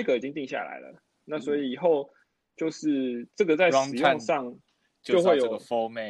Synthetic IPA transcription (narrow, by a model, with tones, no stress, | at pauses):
kə˨˩i˨˩t͡ɕi˦˥ŋt̪i˥˧ŋɕja̰˥˩la̰˨˦ɪlə̰˩ | na˥˨swɔ˧˥i˨i˨˩xo˥˨ʊ | t͡ɕjo˥˧ʊʂɻ̩˥˩˨ʈ͡ʂə˥˩ɡə˨t͡sa˥˩ɪ˥ŋɻ̩˨˩jo˥˧ŋʂɑ˥˨ŋ | t͡ɕoo˥˧ʊxwe˥˩ɪjo˨˩ɡə˨˩fo˥˦me˥˨